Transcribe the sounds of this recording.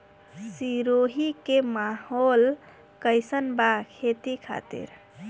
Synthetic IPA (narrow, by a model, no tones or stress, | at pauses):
siɾoɦikemahol | kəjsənbakʰet̪ikʰa̰t̪ḭɾ